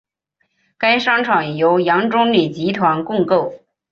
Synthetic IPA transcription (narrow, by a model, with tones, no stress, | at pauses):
ka˥ɪʂɑ˥ŋʈ͡ʂʰɑ˨˩ŋjo˧˥ʊjɑ˧˥ŋʈ͡ʂʊ˥ŋli˨˩t͡ɕi˧˥t̪ʰwa˧˥nkʊ˥˧ŋko˥˩ʊ